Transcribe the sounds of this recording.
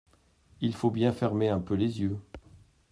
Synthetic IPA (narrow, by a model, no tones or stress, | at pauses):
ilfobjɛ̃fɛʁmeɛ̃pølezjø